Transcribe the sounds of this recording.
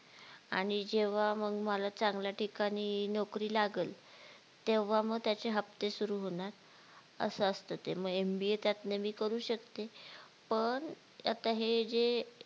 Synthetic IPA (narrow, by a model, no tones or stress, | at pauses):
a̰ɽ̃id͡ʑeʋ̤aməɡməlat͡saŋɡljaʈikaɽ̃iːnɔkɾiːlaɡəl | t̪eʋ̤aməɡt̪jat͡seɦəp̚t̪esuɾuːɦoɽ̃aɾ | ə̰səəst̪ət̪ḛməɡembiet̪jat̪nemiːkəɾuːɕəkt̪e | pəɳ | a̰t̪aɦed͡ze